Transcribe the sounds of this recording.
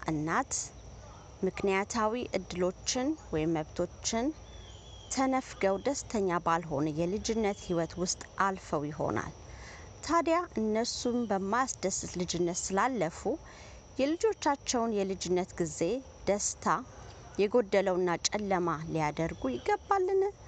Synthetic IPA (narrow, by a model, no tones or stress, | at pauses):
ʔɨnːat̪ | mɨknijat̪ʰawiʔɨd̪ːɨlo̞t͡ʃːɪnwɔjɪmːəβt̪ʰo̞t͡ʃːɪn | t̪ʰənəfɡəwd̪əst̪ʰəɲːabalɦo̞nəjɛlɨd͡ʒɪnːət̪hiwət̪wʊst̪ʼʔalfəwjɪɦo̞̰na̰l | t̪ʰad̪jaʔɨnːəsumbəmːasd̪əsɨt̪lɨd͡ʒɪnːət̪sɨlalːəfu | jɛlɨd͡ʒo̞t͡ʃːat͡ʃːɛwnjɛlɨd͡ʒɪnːət̪ɡize̞ | d̪̥əst̪ʰa | jɛɡo̞d̪ːələwɨnːat͡ʃʼɛlːəmalijad̪əɾɡujɪɡːəbːalːɨn